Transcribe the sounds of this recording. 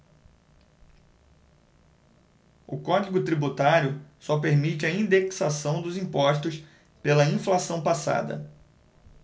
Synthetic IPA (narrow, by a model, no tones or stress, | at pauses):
ʊkɔd͡ʒiɡʊt̪ɾibut̪aɾjʊsɔpeɾmit͡ʃɪɐĩd̪eksasɐ̃w̃d̪ʊzĩpɔʃt̪ʊs | pelɐĩflasɐ̃w̃pasa̰d̪ɐ̰